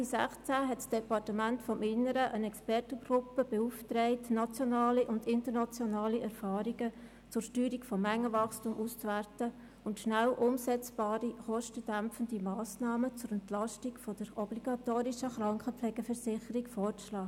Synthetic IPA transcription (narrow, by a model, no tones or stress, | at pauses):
isæχt͡sæɦɛtsd̥ɛpɑrtəmæntfɔmʔɪnːəɾəʔənɛkspɛrtəɡɾʊpːəb̥euftɾɛɪtnɑt͡sjɔnɑːliʔʊndɪntəɾnɑt͡sjɔnɑːliʔɛɾfɑːɾiɡə | t͡sʊɾʃtyːɾikfɔmːæŋːəvɑχstumʔust͡sværtə | ʊntʃnælʔʊmsɛt͡sb̥ɑːɾiχɔʃtəd̥æmpfəndimɑːsnɑːmət͡sʊɾɛntlɑʃtikfɔd̥əɾɔbliɡ̥ɑtoːɾiʃəχɾɑŋkχəpflɛɡ̥əfərsɪχəɾikfɔːrlɑː